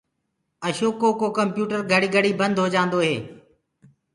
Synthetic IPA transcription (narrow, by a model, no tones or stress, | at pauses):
əʃoːkːoːkoːkəmpjuːʈəɾɡʱəɽiːɡʱəɽiːbənd̪ʱɦoːd͡ʒãːnd̪oːɦeː